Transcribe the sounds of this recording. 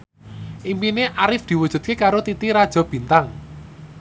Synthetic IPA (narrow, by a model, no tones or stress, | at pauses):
ʔimpineʔaɾɪfd̪̥i̤wud̥ʒ̥ṳd̪̚kekaɾot̪it̪iɾad̥ʒ̥ɔ̤b̥i̤nt̪aŋ